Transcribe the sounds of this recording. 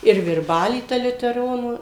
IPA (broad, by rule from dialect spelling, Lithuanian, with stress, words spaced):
ɪr ʋʲɪrˈbɑːlʲiː ˈtɐ lʲʊtʲɛˈroːnuː